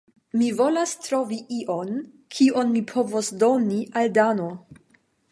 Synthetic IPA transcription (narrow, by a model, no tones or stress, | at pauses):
mivo̞lastɾo̞viʔiʔo̞n | kʰio̞nmipʰo̞vosdo̞niʔaldano̞